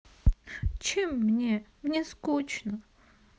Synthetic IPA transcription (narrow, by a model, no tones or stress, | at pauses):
t͡ɕemːnʲemnʲeskot͡ɕnə